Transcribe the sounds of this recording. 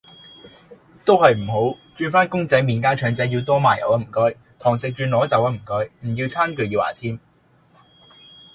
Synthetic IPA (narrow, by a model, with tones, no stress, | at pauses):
t̪o˥whɐ˨jm̩˨˩ɦo˨˥wt͡ʃyː˧nfaː˥nkʊ˥ŋt͡sɐ˨˥jmiː˨nkaː˥t͡ʃʰœː˨˧˥ŋt͡sɐ˨˥ji˧wt̪ɔː˥maː˨jɐ̰˨wɐ˥m̩˨˩kœː˥j | t̪ʰɔː˨˩ŋsɪ˨k̚t͡ʃyː˧nɔː˨˥t͡sɐ˨˥wɐ˧˥m̩˨˩kɵ˧˥jm̩˨˩ji˧wt͡sʰaː˥nkɵ˨˧ji˧wʔa̰ː˨˩t͡sʰiː˥m